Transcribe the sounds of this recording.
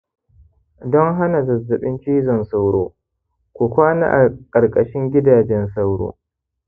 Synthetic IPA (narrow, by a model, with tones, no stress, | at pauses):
dɔ˦ŋɦa˦na˨zɐ˨zːɐ˨ɓɪ˦nt͡ʃiː˦zɔ˨nsa˦wɽo̰ː˦ | kʷu˨kʷaː˦na̰˦ʔa˨kʼɐ˨ɾkʼɐ˨ʃɪ˦ŋɡʲɪ˦daː˨d͡ʒɛ˦nsa˦wɽo̰ː˦